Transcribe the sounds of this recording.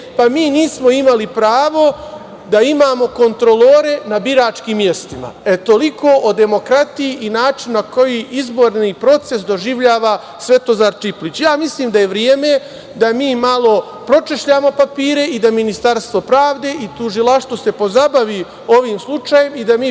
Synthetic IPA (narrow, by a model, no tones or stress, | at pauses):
pamiːniːsmo̞imalipɾaːʋo̞ | d̪aimaːmo̞ko̞nt̪ɾo̞lˠoːɾe̞nabiɾaːt͡ʃkiːmje̞st̪ima̰e̞t̪o̞likoːʔod̪e̞mo̞kɾat̪ijiʔinaːt͡ʃinːako̞jiʔizbo̞ɾniːpɾo̞t̪se̞s̬d̪o̞ʒiʋʎaːʋa | sʋe̞t̪o̞zaːɾt͡ʃiplit͡ɕjaːmisliːmd̪aje̞ʋɾjeːme̞ | d̪amiːmalˠo̞ | pɾo̞t͡ʃeʃʎaːmo̞papiːɾe̞id̪aminist̪aɾst̪ʋo̞pɾaːʋd̪e̞ːʔit̪uʒilˠaʃt̪ʋo̞se̞po̞zabaʋi | o̞ʋiːmslˠut͡ʃajemid̪amiː